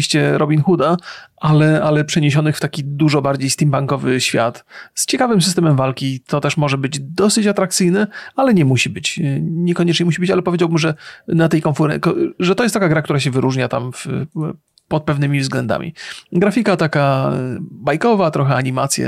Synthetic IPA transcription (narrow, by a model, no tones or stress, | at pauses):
iɕt͡ɕɛɾʔɔbʲinxud̪aalɛalɛpʂɛɲeɕ̬ɔnɘxft̪akʲid̪uʐɔbaɾd͡ʑejst̪ʲimpaŋkɔvɘɕfʲja̰t̪st͡ɕɛkavɘmsɨst̪ɛmɛmvalkʲit̪ʰɔt̪ɛʂmɔʐɛbɘd͡ʑd̪ɔsɘt͡ɕat̪ɾakt̪sɘjnɛalɛɲɛmuɕibɘt͡ɕɲɛkɔɲɛt͡ʂɲɛmuɕibɘt͡ɕa̰lɛpɔvʲed͡ʑawbɘmʐɛnat̪ɛjkɔnfuɾɛ̰kɔʐɛt̪ɔjɛst̪akaɡɾakt̪uɾaɕ̬ɛvɘɾuʐɲat̪amf | pɔt̪̚pɛvnɘmʲivzɡlɛnd̪a̰mʲḭɡɾafʲikat̪aka | bajkɔvat̪ɾɔxɛaɲimat̪sʲjɛ̰